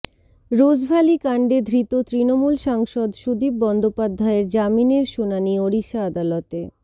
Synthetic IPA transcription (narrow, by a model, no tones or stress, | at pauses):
ɾod͡ʑbʱalikaɳɖed̪ʱɾit̪ot̪ɾinomulʃaŋʃod̪ʃud̪ip̚bɔnd̪opad̪ʱːaeɾd͡ʑamineɾʃunanioɾiʃaad̪alɔt̪e